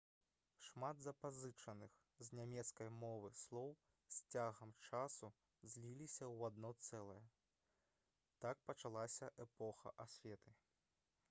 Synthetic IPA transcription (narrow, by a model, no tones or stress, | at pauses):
ʂmad̪zɐpazɨt͡ʂɐnɨx | zʲnʲamʲɛt̪skɐjmɔvɨslˠɔw | sʲt͡sʲaɣɐmt͡ʂasu | zʲlʲilʲisʲɐwad̪nɔt̪sɛlˠɐjɐ | t̪ak̚pɐt͡ʂalˠasʲɐʔɛpɔxɐ̰ʔasʲfʲɛt̪ɨ